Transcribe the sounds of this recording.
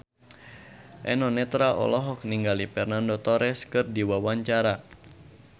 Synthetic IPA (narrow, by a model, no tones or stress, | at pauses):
ʔɛnɔnɛt̪ɾaʔɔ̰lɔɦɔk̚niŋɡalifɛrnandot̪ɔɾɛskɨrdiwawaɲt͡ʃaɾa